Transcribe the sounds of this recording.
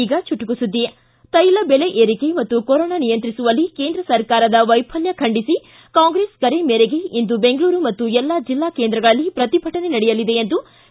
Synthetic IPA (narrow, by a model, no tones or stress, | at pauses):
iːɡɐt͡ʃuʈːukusud̪ːi | t̪ɐjlɐbele̞ʔeːɾike̞mɐt̪ːukoɾɔːnaːnijɐnt̪ɾisuʋɐlːikeːnd̪ɾɐsɐɾkaːɾɐd̪ɐʋɐjpʰɐljɐkʰɐɳɖisi | kaːŋɡɾeːskɐɾe̞meːɾe̞ɡe̞ind̪ube̞ŋɡɐɭuːɾumɐt̪ːuɛlːad͡ʒilːaːkeːnd̪ɾɐɡɐɭɐlːipɾɐt̪ibʱɐʈɐnenɐɽɛjɐlːid̪e̞end̪u